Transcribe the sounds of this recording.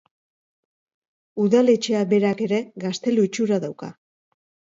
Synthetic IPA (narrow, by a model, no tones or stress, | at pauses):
uðale̞t͡ʃe̞aβe̞ɾake̞ɾe̞ɡast̪e̞luit͡ʃuɾaðawka̰